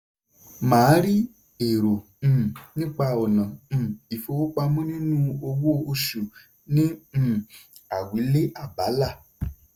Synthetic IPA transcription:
mãː˨˦ɾi˦ | e˨ɾõ˨˦˨ | nĩ˦k͡pa˧ɔ˨nã˨˦˨i˨fo˧wo˦k͡pa˧mũ˦nĩ˦nũ˦o˧wo˦o˧ʃu˨ | nĩ˦˨ | a˨wi˨˦le˦ʔa˦˨ba˨˦la˦˨

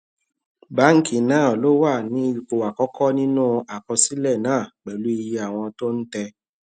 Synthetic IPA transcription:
ba˦˨ŋ̩˨kĩ˨˦nãː˦˨lo˦wa˦˨nĩ˨˦˧ko˨wa˨kɔ˦kɔ˦nĩ˦nũ˦a˨kɔ˧si˨˦lɛ˦˨nãː˦˨k͡pɛ˨lu˨˦i˧ji˧a˨w̃ɔ̃˧to˦n̩˦tɛ˧

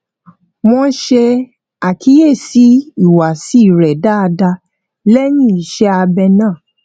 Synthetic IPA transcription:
mɔ̃˧˦ʃe˧ | a˨kʰi˨˦je˦˨si˨˦i˦˨wa˨si˨˦i˦˨ɾɛ˨da˦a˧da˧ | lɛ˦nĩ˦˨i˨ʃɛ˦a˧bɛ˧nãː˦˨

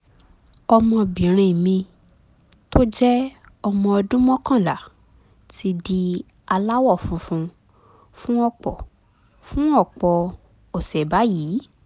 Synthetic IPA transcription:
ɔ˧mɔ̃˧bĩ˨ɾ̃ĩ˧i˨mĩ˧ | to˦d͡ʒɛ˦ | ɔ˧mɔ̃˧ɔ˧dũ˦mɔ̃˦kã˦˨la˨ | ti˦di˧ | a˧la˦wɔ˦˨fũ˧fũ˧ | fũ˦ɔ˦˨k͡pɔ˨ | fũ˦ɔ˦˨k͡pɔ˧ | o˨sɛ˨ba˨˦jiː˨˦

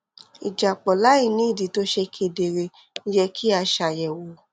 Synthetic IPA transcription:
i˨d͡ʒa˨k͡pɔ˨la˨˦i˦˨nĩ˨˦i˦˨di˨˦to˦ʃe˧kʰe˧de˧˨ɾe˧˦ | jɛ˧kʰi˦a˧ʃa˧˨jɛ˨wo˨˦

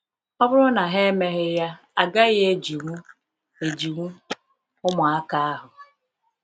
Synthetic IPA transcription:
ɔ˦bʊ˦ɾʊ˦na˨ɦe˦e˦me˦ɦɪ˦ja˦ | a˨ɡa˦ɣe˦d͡ʒi˨ŋʷu˦ | e˨d͡ʒi˨ŋʷu˦ | ʊ˦mʊ˨a˦ka˦a˦ɦʊ˨

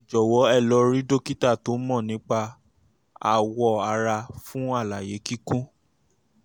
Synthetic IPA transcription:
d͡ʒɔ˨wɔ˨˦ɛ˦˨lɔ˨˧ɾi˦do˦ki˦ta˦˨to˨˦mɔ̃˦˨nĩ˨˦k͡pa˧ | a̰˨wɔ˧a˧ɾa˧fũ˦a˦˨la˨je˨˦ki˦kũ˦

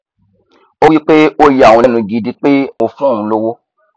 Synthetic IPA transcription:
o˦wi˦k͡pe˦o˦ja˨wɔ̃˧ɛ˦nũ˧ɡi˨˧di˦k͡pe˦o˧fũ˦˨ũ˧˦lo˧wo˦

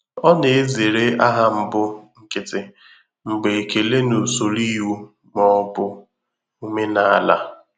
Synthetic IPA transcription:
ɔ˦ne˨e˦ze˨ɾe˦a˦ɦa˦m̩˦bʊ˦ŋ̩˦kɪ˦tɪ˨ | ŋ͡m̩˨ɡ͡be˨ke˨le˦nu˨so˨li˦ɦu˦ | mɔ˦bʊ˦ | u˦me˦na˨a˨la̰˦

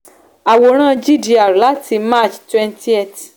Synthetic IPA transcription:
a˨wo˨˦ɾ̃ãː˦˨d͡ʒi˦di˧a˨ɾu˨la˦ti˧ma˦˨t͡ʃtwɛ̃˧nti˦e˦˨t

